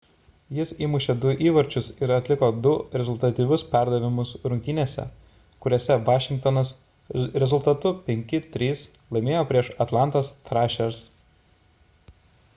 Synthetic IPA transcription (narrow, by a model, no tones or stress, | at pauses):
jɪsiːmʊʃʲed̪ʊʔiːʋɐɾʲt͡ʃʲʊsɪɾɐt̪ʲlʲɪkoːd̪ʊɾʲɛzʊlˠʲt̪ɐt̪ʲiːʋʲʊspʲæˑɾd̪ɐʋʲɪmʊsɾʊŋʲkʲɪnʲiɛːsʲɛ̰ | kʊɾʲoːsʲɛʋɑːʃʲɪŋk̚t̪ɔnɐs | ɾʲɛzʊlˠt̪ɐt̪ʊpʲɛŋʲkʲɪt̪ʲɾʲiːs | lˠɐɪmʲeːjoːpʲɾʲiɛʃɐt̪lˠɑˑnt̪ɐst̪ɾɑʃʲɛɾs